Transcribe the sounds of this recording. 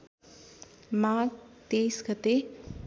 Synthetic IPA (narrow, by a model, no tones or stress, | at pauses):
mat̪ejsɡʌt̪e